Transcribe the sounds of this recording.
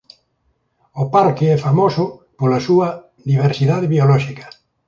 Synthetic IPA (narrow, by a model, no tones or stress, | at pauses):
opaɾkeɛfamosʊpolasua | ðiβ̞eɾsiðaðeβiolɔʃikɐ̥